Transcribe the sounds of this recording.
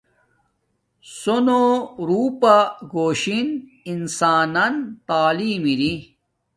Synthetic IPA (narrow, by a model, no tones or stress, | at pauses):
sonoɾuːpaɡoːɕin | insaːnɐnt̪aːliːmiɾi